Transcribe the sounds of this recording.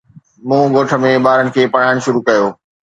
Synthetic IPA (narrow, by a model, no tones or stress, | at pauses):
mũːɡoːʈʰə̆mẽbaːɾənɪ̆kʰeːpɐɽ̤aːɪɽ̃ʃʊɾukɐjoː